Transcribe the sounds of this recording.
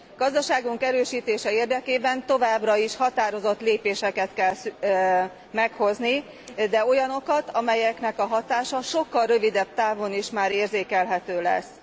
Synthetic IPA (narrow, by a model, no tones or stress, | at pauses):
ɡ̥ɒzd̪ɒʃaːɡuŋkɛɾøːʃiːt̪eːʃɛeːrd̪ɛkeːbɛnt̪o̞vaːbrɒiʃhɒt̪aːɾo̞zo̞t̪leːpeːʃɛkɛt̪kɛls | mɛkho̞zni | d̪ɛo̞jɒno̞kɒt̪ɒmɛjɛknɛkɒɦɒt̪aːʃɒʃo̞kːɒlrø̞vid̪ɛb̥̚t̪aːvo̞niʃmaːɾeːrzeːkɛlɦɛt̪øːlɛ̰s